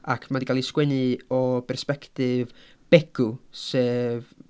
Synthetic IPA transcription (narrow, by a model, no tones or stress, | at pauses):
a̰kʰmadiɡalˠiskwɛnɨɔbɛrspɛktɪvb̥ɛɡ̥useːv